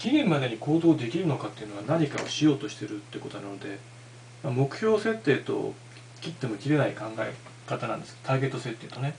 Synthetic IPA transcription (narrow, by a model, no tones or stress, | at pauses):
kʲiɡʲẽmːad̪e̞ɲ̟iko̞ːd̪o̞ːd̪e̞kʲiɾɯ̟no̞kat̪ːeiɯ̟no̞βanaɲ̟ikao̞̰ɕijo̞ːt̪o̞ɕi̥t̪e̞ɾɯt̪ːeiɯko̞t̪onanod̪e̞ | mamo̞kɯ̟̥ço̞ːse̞t̪ːe̞ːt̪o̞̰ | kʲit̪ːe̞mo̞kʲiɾe̞naikãŋɡaḛ | kat̪anã̰nd̪esɨ̥t̪aːɡe̞t̪ːo̞se̞t̪ːe̞ːt̪o̞ne